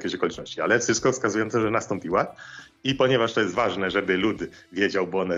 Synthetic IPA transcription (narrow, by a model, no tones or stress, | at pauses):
kʲeɛɕɔkɔlʲit͡ʂnɔɕt͡ɕia̰lɛfʂɨst̪̚kɔfskazujɔnt̪ɛʐɛnast̪ɔmpʲiwa | ipɔɲɛvaʂt̪ɔjɛst̪vaʐnɛʐɛbɘlud̪ | vʲjed͡ʑawbɔɔnɛ